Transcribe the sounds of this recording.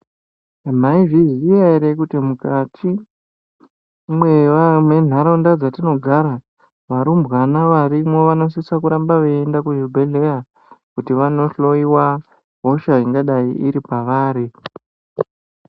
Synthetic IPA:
amaiviʒiaiɾekutimukatʰi | mwe̞ʋamwe̞n̤ʱaɾandad͡zatino̞ɡʱaɾa | ʋaɾumbɣanaʋaɾimo̞ʋano̞sisakuɾambaʋeːndakud͡ʒubʱeɮe̞ja | kutiʋano̞ɬo̞iwa | ɦoʃaiŋɡaɗaḭʔiɾipaʋaːɾi

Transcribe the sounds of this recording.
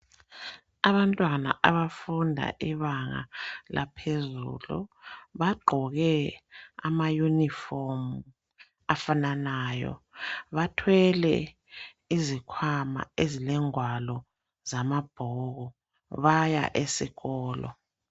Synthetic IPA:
aβantʼwana̰ʔaβafundʱa̰ʔiβaŋa̰la̰pʰezṵlṵβaɡ͡ǃʱɔɣɛ | a̰majunifɔmu | afananaːjɔ̰βatʰwɛlɛ̰ | izikʰwama̰ezilɛŋwalɔ | zamab̥ʱɔɣɔ | βaja̰ʔesiɣɔːlɔ̰

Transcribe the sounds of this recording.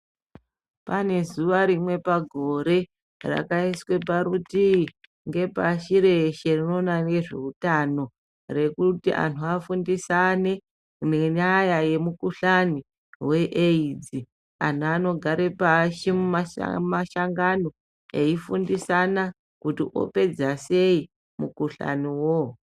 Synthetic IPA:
pane̞zuʋaɾimwe̞paɡʱo̞ɾe̞ | ra̰kaiswe̞p̬aɾuti | ŋɡe̞paʃiɾe̞ʃe̞rino̞ːnane̞ʐe̞̰utano̞ | re̞kutiʔa̰nʰuafundisane̞ | neɲajaje̞mukuɬani | we̞ʔeid͡zi | a̰n̤uano̞ɡʱaɾepaʃimuma̰maʃaŋɡano̞ | eifundisana | kutiʔo̞̰pe̞d͡zase̞i | mukuɬa̰niwo

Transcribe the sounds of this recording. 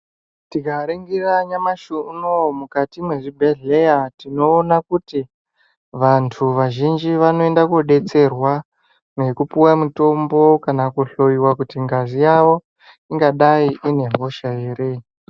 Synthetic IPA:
tikaɾeŋɡiraɲamaʃunomukatimwe̞ʐibʱe̞ɮejatino̞ːnakuti | ʋantʰuʋaʒind͡ʒiʋano̞e̞ndakoɗe̞t͡se̞rwa | ne̞kupuwamuto̞mbo̞kanakuɬo̞iwakutiŋɡazijaʋo̞ | iŋɡaɗaiʔine̞mʱo̞ʃaeːɾe

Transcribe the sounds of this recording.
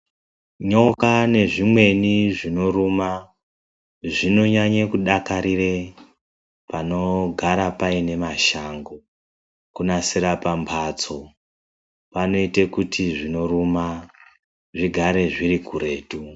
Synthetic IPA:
ɲo̞kane̞ʐimwe̞niʐino̞ruma | ʐino̞ɲaɲakuɗakaɾire | pano̞ɡʱaɾapaine̞maʃaŋɡo | kunasiɾapampʰat͡so̞ | pano̞itekutʰiʐino̞ruma | ʐiɡʱaɾe̞ʐirikuɾe̞ːtu

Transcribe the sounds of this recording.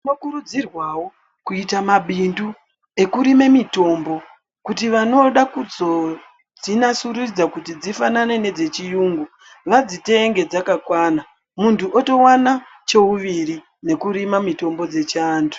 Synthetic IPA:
nokuɾud͡zirwawo | kuitamaɓindu | e̞kuɾime̞mito̞ːmbo̞ | kutiʋano̞ɗakud͡zo̞ | d͡zinasuɾurid͡zakutid͡zifanane̞ne̞d͡ze̞t͡ʃijuːŋɡu | ʋad͡zite̞ŋɡe̞d͡zakakwana | muntuʔoto̞wana | t͡ʃe̞uʋiri | ne̞kuɾimamito̞mbo̞d͡ze̞t͡ʃaːntʰu̥

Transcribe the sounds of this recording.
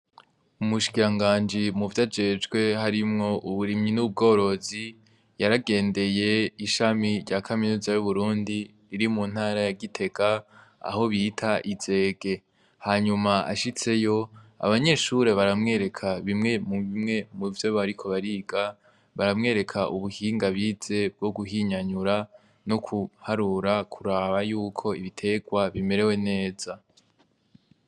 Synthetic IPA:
umuʃi̥kiɾaŋɡaːnd͡ʒimuvjad͡ʒe̞d͡ʒɡwe̞haɾimŋo̞ʔuβuɾimɲinuβub̚ɡo̞ːɾo̞zi | jaɾaɡe̞ːnde̞je̞iʃamiɾɟakʰaminuːzajuβuɾuːndiː | ɾimun̥haːɾajaɡitʰe̞ɡa | a̰ho̞βitʰaʔiz̥e̞ːɡe̞ | haɲumaa̰ʃit͡se̞jo̞a̰βaɲe̞ʃuɾe̞βaɾamŋe̞ːɾe̞kʰaβimŋe̞muimŋe̞muvjeːβoaɾikʰo̞βaɾiːɡa | βaɾamŋe̞ːɾe̞kʰaʔuβuhiːŋɡaβiːz̥e̞b̚ɡ̥o̞ɡuhiɲaɲuɾa | nokʰuhaɾuɾakʰuɾaβajuːkʰo̞iβitʰe̞ɡwaβime̞ɾe̞we̞ne̞ːz̥a

